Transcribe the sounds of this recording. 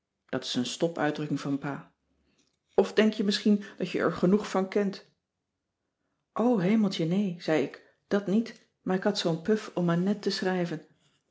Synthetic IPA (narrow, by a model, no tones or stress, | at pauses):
d̥ɑtɪ̥sənstɔpœ̰ɥdrɵkɪŋvɑnpaː | ɔfdɛŋkjəmɪsχind̥ɑtjə̰ʔɛ̰ɹχənuχfɑnkɛnt | ʔowɦejməl̩ˠtənejz̥ɛjɪk | d̥ɑtnit | maːɹɪkɦɑtsownpɵfɔmaːnɛtəsrɛjvən